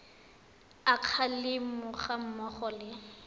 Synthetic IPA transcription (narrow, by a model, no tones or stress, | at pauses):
aq͡χʰalɪmʊχam̩mɔχɔlɪ